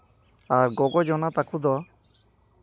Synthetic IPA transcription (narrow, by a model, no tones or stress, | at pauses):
aɾɡɔɡɔd͡ʒɔnat̪akʰud̪ɔ